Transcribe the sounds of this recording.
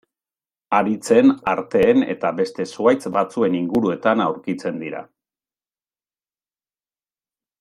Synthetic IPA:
aɾit͡se̞naɾt̪e̞ːne̞̰t̪abe̞st̪e̞suajt͡sbat͡sue̞niŋɡuɾue̞t̪anawɾkit͡se̞nd̪iɾa̰

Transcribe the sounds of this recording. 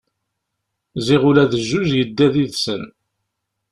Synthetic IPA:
ziʁʊlæðəʒːuzjəd̪ːæðiðsən

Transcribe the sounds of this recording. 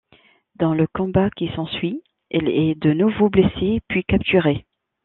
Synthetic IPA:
d̪ɑ̃ləkɔ̃bakʲisɑ̃sɥi | ɛlɛd̪ənuvoblesepɥikapt̪yʁe

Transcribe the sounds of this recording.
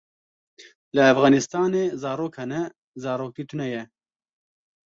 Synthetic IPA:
lɨæfɣɑːnɪst̪ɑːneːzɑːɾoːkhɛnɛ | zɑːɾoːkiːt̪ʰunɛjɛ

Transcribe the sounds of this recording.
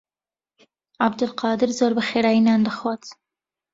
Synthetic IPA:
abd̪ʊlqɑd̪ɪɾzoɾbəxeɾɑjinɑnd̪əxwɑt͡s

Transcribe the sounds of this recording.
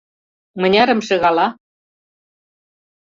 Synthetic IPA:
mə̆nʲɑɾɤ̆mʃĕɣɑlɑ

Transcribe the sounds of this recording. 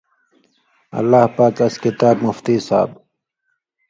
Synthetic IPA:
ɐ̰lːaːhpaːkɐskɪt̪aːbmʊft̪iːsa̰ːb

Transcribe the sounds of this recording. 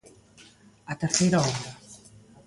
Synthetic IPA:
at̪eɾθejɾɐɔmɾɐ

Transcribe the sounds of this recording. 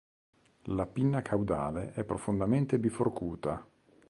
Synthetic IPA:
lapinːakʰawd̪a̰ːleʔɛpːɾofond̪ament̪ebiforkuːt̪a

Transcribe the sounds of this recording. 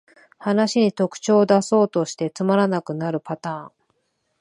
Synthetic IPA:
hanaɕiɲ̟it̪o̞kɯ̟̥t͡ɕo̞ːd̪aso̞ːt̪o̞ɕi̥t̪e̞t͡sɨmaɾanakɯ̟naɾɯ̟pat̪ãːŋ

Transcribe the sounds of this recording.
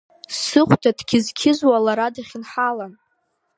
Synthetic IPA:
sɨχʷtʰadkʲɪzkʲʰɪzwalaɾadaχʲɪnħalan

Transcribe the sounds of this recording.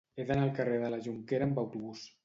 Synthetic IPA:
eðanalˠkareðəlaʒuŋkeɾaːmbawt̪uβus

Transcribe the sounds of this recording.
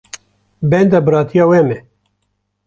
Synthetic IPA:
bɛnd̪abɨɾɑːt̪ʰijɑːwɛmɛ

